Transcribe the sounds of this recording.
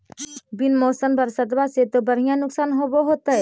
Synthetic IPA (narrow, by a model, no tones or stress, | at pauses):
bɪnmoːsənbəɾsət̪baset̪obəɽ̤ijãnʊksaːnɦoːboɦoːt̪aɦɛː